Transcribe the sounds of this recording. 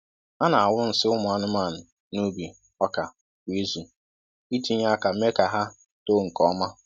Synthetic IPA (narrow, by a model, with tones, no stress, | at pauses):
a˦na˨a˨wʊ˦n̩˨sɪ˦ʊ˦mʊ˨a˨nʊ˦ma˦˨n̩˨ | nu˦bi˨ | ɔ˦ka˨ | kʷi˦zi˨ | i˦ti˦ɲa˦ka˨˦me˦ka˨ɦa˦ | to˦ŋ̩˨kɔ˦ma˦